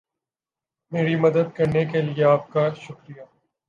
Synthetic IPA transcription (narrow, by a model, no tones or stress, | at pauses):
meːɾimɐd̪əd̪̚kɐɾnekelieaːp̚kaʃʊkɾija